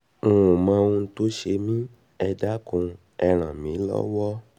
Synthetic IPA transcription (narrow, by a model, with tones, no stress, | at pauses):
ũ˨mã˧ũ˧to˦ʃe˧mĩ˦ | ɛ˧da˦kũ˧ | ɛ˧ɾ̃ã˨mĩ˨˦lɔ̰˦wɔ˦